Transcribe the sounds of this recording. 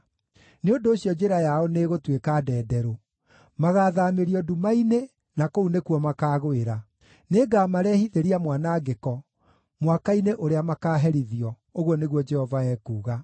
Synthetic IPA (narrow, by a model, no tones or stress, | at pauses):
neondoːɕjɔd͡ʑeɾajaɔneɣotwekadɛːdɛɾo | maɣaːðameɾiɔdumaine | nakounekuɔmakaːɣoeɾa | neːɡamaɾɛːhiðeɾiamwanaɡekɔ | mwakaineʔoɾeamakaːɦɛɾiðiɔ | oɣɔneɣwɔd͡ʒɛhɔvaɛːkuːɣa